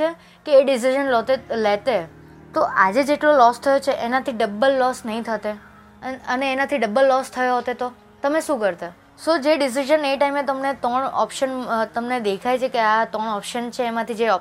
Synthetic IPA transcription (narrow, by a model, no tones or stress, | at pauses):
e | keːɖis̬iʒənlot̪elet̪e | t̪oʔad͡ʒed͡ʒeʈlolɔst̪ʰəjot͡ʃʰeʔenat̪ʰiɖəbəlːɔsnəɦĩt̪ʰət̪e | əneːnat̪ʰiɖəbːəlːɔst̪ʰəjoɦət̪et̪o | t̪əmeʃũkəɾt̪a | sod͡ʒeɖis̬iʃəneʈaimet̪əmnet̪ɔɳɔ̰pʃənt̪əmned̪ekʰajt͡ʃʰekeat̪ɔɳɔpʃənt͡ʃʰeːmãt̪ʰid͡ʒeɔ